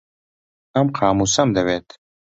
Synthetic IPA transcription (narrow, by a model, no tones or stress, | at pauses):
ɐmqʰaːmusɐmd̪ɐvɛːt̪ʰ